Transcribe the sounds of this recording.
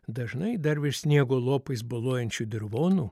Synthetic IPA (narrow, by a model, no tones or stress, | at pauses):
d̪ɐʒnɐɪd̪ɐɾʋʲɪsʲnʲiɛɡoːlˠoːpɐɪsbɐlˠoːjɛnʲt͡ʃʲud̪ʲɪɾʋoːnuː